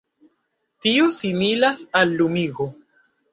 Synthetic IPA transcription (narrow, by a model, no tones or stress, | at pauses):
tiosimilasalːumiɡo